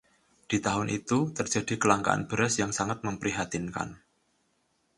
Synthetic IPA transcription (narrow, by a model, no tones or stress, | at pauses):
d̥it̪aɦʊnʔit̪ut̪ərd͡ʒa̤dikəlaŋka̰a̰nb̥əɾasjaŋsaŋat̪̚məmpəɾiɦat̪inka̰n